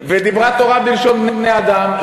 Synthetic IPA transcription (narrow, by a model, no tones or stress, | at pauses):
ved̪ibʁat̪o̞ʁabilʃo̞nbnebnejad̪aml